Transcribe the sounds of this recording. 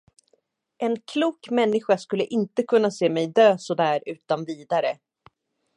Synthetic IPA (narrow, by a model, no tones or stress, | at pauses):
ʔɛnkʰluːkmɛnːɪɧaskɵlːəʔɪnt̪əkʰɵnːaseːmɛjd̪øːsɔd̪æːɾʉ̟ːt̪anviːd̪aɾə